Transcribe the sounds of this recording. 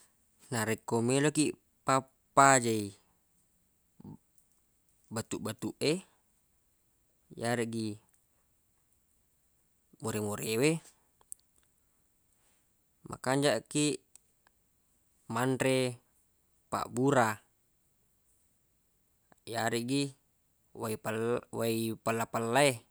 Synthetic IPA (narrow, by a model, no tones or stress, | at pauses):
naɾekːomelokiʔ | papːad͡ʒai | bat̪uʔbat̪uʔe | jaɾɛʔɡi | moɾemoɾewe | mʔa̰kaɲd͡ʒaʔkiʔ | manɾe | pa̰ʔbuɾa | jaɾiʔɡi | aipalwaipalːapalːae